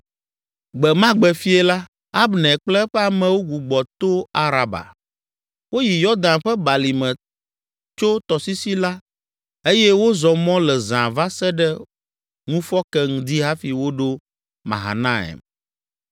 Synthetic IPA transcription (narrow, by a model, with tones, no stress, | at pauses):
ɡ͡bɛ˨mã˦ɡ͡bɛ˨fi˦ɛ˦la˦ | a˦bnɛ̃˨k͡plɛ˦ɸɛ˦a˨mɛ̃˨wo˦ɡu˨ɡ͡bɔ˨t̪o˦a˨ɾa˨ba̰˨ | wo˦ji˨jɔ˦d̪ã˨nɸɛ˦ba˨li˨mɛ̃˨ | t͡ʃo˦t̪ɔ˨si˦si˦la˦ | e˦jɛ˦wo˦zɔ˨mɔ̃˦lɛ˨zã˨va˦sɛ˦ɖɛ˦ | ŋũ˦fɔ˦kɛ˦ŋu˨d̪i˦ɦa˦fi˨wo˦ɖo˦ | mã̰˨ɦa̰˨nã˦ḛ˨m